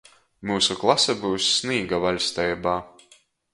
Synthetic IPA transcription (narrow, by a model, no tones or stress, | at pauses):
muːsuklˠasɛbuːsːniːɡavalʲst̪ɛjbaː